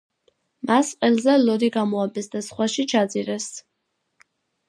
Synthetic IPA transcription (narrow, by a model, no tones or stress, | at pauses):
masqʼɛlˠzɛlɔd̪iɡamɔabɛsd̪asχwaʃit͡ʃʰad̪ziɾɛs